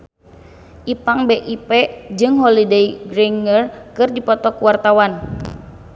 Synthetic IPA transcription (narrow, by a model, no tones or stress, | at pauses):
ʔipaŋbeʔipɛd͡ʒɨŋɦɔlidejɡɾiŋərkɨrdipɔt̪ɔkuwart̪awan